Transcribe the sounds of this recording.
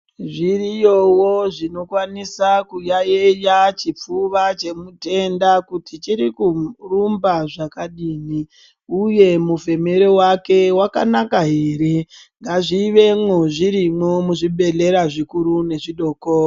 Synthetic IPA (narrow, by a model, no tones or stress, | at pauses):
ʐirijowoʐino̞kwanisakujaejat͡ʃip͡fuʋat͡ʃe̞mute̞ndakutʰit͡ʃiɾikurumbaʐakaɗiːni | uje̞muve̞me̞ɾe̞wake̞waka̰nakaɦe̞ːɾe̞ | ŋɡaʐiːʋe̞moʐiɾimo̞muʐiɓe̞ɮe̞ɾaʐikuɾune̞ʐiɗo̞ːko